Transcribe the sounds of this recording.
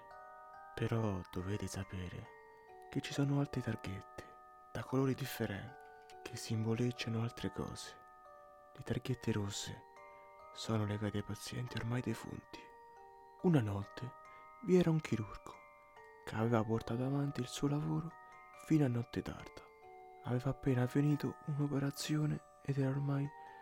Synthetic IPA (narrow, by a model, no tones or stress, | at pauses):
peɾɔd̪̥oveːt̪ɪsapɛːɾɪ̰ | k̟et͡ʃːisɔːnʊalt̪ɾet̪arɡet̪ʰːe̥ | d̪̥akʰoloːɾid̪ifːeɾɛ̰nt̪i | k̟ʰɪsːiɱvolet͡ʃːanʊalt̪ɾɪkɔ̰ːse̥ | lɪt̪arɡet̪ʰːeɾosːḛ | sɔːnʊleɡaːt̪ajpat̪sːjɛnt̪iormajd̪efṵnt̪ʰi̥ | unanɔt̪ːe | viɛːɾauŋkʰiɾurɡo̥ | kʰavɛːvaport̪aːt̪oavant̪ilsuːolavoːɾo | fiːnoanːɔt̪ʰːɪt̪a̰rd̪̥ḁ | avɛːvaːpːeːnaveniːt̪o̰unopeɾat̪sːjoːnɪ | ɛd̪ɛɾaormaj